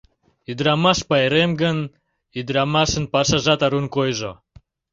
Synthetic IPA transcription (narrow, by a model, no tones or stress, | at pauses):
yd̪ɾɑmɑʃpɑeɾemɡən | yd̪ɾɑmɑʃə̆npɑʃɑʒɑt̪ɑɾunkojʒo